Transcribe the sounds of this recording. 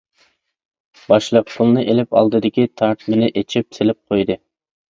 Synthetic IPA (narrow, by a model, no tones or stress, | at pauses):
bɑʃlˠəqpʰʊlˠnɨʔelɪpɑ̰lˠd̪ɨd̪ɪkʲit̪ʰɑɾt̪ʰmɪnɪʔet͡ʃʰip̚selɪp̚qʰojd̪ɨ